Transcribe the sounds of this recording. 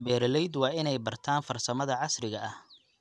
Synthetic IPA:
bɛːɾlɛjd̪wɑːʔɪnɛjbɐrt̪ʰaːnfɐrsɐmɐðɐʕɑsrɪɣɐʔɐh

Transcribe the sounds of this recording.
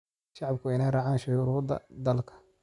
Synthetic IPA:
ʃɑʕɑb̚kʰʊɪnɛjrɑːʕaːnʃʊjuɾuːd̪ɐ̰d̪ɐlkʰɐ̥

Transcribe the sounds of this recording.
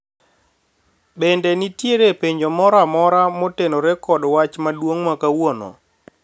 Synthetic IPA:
bɛndɛnitjeɾepeɲd͡ʒomɔɾamɔɾamotenoɾɛkɔdwat͡ʃmadwoŋmakawonɔ̰

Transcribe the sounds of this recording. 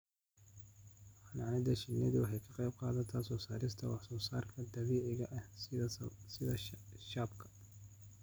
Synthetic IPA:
ħanaʕnɪd̪ɐʃɪnɛd̪ɪwɑħɑjkʰɐqɑjb̚qɑːðɐt̪ʰɐsɔːsaːɾɪst̪ʰɐwɑħsɔːsaːrkʰɐd̪ɐβiːʕɪɣɐʔɐh | sɪðɐʃaːbkʰɐ̥

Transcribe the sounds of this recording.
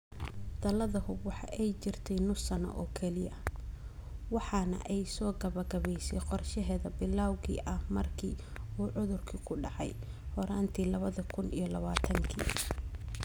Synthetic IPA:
d̪ɐlɐðɐɦʊbwɑħɑ̰ʔɛjt͡ʃɪrt̪ʰɛjnʊsɐnɐ̰ʔɔːkʰɛlɪjɐ | wɑħɑnɐ̰ʔɛjsɔːɡɐβɐɡɐβɛjsɛjqɔrʃɛɦɛːðɐbɪlːaːwɣḭːʔɐhmɐrkʰiː | uːʕʊðʊrkʰikʰʊɖɑʕɑ̰j | hɔɾaːnt̪ʰiːlɐβɐðɐkʰʊnijɞlɐβaːt̪ʰɐŋkʰḭː

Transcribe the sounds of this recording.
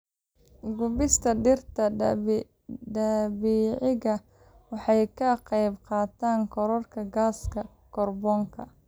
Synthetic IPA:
ɡʊbɪst̪ʰɐɖɪrt̪ʰɐ | ɖɐbiːʕɪɣɐ | wɑħɑjkʰɐqɑjbqɑːt̪ʰaːŋkʰɔɾɔrkʰɐɡaːskʰɐ | kʰɔrbɔːŋkʰɐ

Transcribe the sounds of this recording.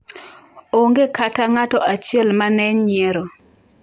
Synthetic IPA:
oŋɡekʰataŋatɔʔat͡ʃɪɛlmanɛɲɲɪɛɾɔ

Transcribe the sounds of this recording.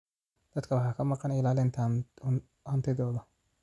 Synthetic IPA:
d̪̥ɐd̪kʰɐwɑħɑkʰɐmɑqɑnɪlaːlɪnt̪ʰː | hɐnt̪ʰɪðɔːðɐ

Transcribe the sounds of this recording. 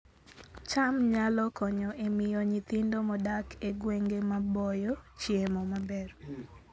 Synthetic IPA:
t͡ʃamɲalɔkɔɲɔʔemɪjoɲit̪indomɔdakʰeɡweŋɡemabɔjɔt͡ʃjemɔmabɛr

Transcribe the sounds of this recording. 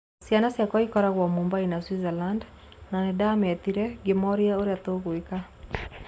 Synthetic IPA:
sjanasjakɔikɔɾaɣwamumbainaswizɛland | nanɪdamɛt̪iɾɛɡimɔɾiaoɾeat̪oɡwika

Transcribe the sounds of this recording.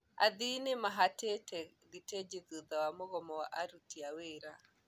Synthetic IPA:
a̰ðinemaɦatetɛ | ɣited͡ʒeðuðawamoɣɔmɔwaʔaɾutiaweɾa

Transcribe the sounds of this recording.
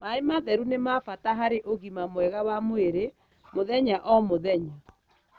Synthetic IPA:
maemaðɛɾunemafataɦaɾeʔoɣimamwɛɣawamoeɾe | moðɛɲaʔɔmoðɛɲa

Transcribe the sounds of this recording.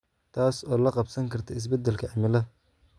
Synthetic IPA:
t̪ʰaːsɔːlɐqɑbsɐŋkʰɐrt̪ʰɐɪs̬bɛd̪ɛlkʰɐʕɪmɪlɐ

